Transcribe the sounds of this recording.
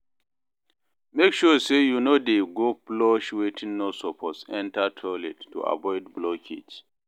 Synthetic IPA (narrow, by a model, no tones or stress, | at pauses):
mekʃusejunodeɡoplɔʃwetʰĩnːosɔpʰɔsɛ̃ntatʰɔletʰːṵʔa̰bɔɪdblɔkʰḛd͡ʒ